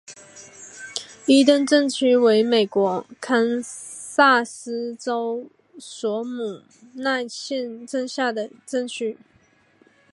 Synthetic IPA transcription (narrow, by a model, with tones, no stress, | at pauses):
i˥t̪̬ə˥˧nʈ͡ʂɤ˥˩ŋt͡ɕʰy˥we˧˥ɪme˨˩ɪkwɔ˧˥kʰa˥n | sa˥˩sɹ̩˥ʈ͡ʂo˥ʊ | swɔ˧˥mu˨˩ | na˥˧ɪɕjɛ˥˧nʈ͡ʂə˥˧ŋɕja˥˩d̪ə˩ʈ͡ʂə˥˩ŋt͡ɕʰy˥